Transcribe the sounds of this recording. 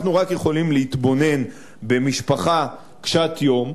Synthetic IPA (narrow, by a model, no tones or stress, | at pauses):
χnuʁakje̞χo̞limleit̪bo̞ne̞n | be̞miʃpaχa | kʃat̪jo̞m